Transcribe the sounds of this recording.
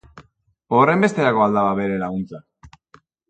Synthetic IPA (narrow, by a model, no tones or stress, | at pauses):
ore̞mbe̞st̪e̞ɾako̞ald̪aβaβeɾe̞laɣunt͡sa